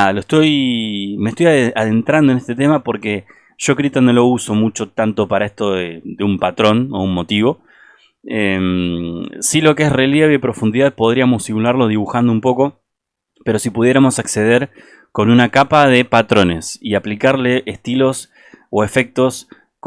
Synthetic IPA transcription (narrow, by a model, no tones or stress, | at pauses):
aloest̪o̞jme̞ht̪o̞jaaðe̞nt̪ɾand̪oe̞nest̪et̪̬e̞mapo̞ɾke̞ | ʒ̥o̞kɾit̪anːo̞lo̞uso̞mut͡ʃot̪ant̪o̞paɾae̞st̪o̞ðed̪eumpat̪ɾo̞no̞̰unmo̞t̪iβo̞ | em | silo̞keesre̞lje̞βeipɾo̞fund̪iðaðpo̞ðɾiamo̞simulaɾlo̞ð̞iβ̞uxand̪oumpo̞ko̞ | pe̞ɾo̞sipuðje̞ɾamo̞sakse̞ð̞e̞ɾ | ko̞nunakapaðe̞pat̪ɾo̞ne̞siaplikaɾle̞ʔehst̪ilo̞s | o̞e̞fe̞k̚t̪o̞s | k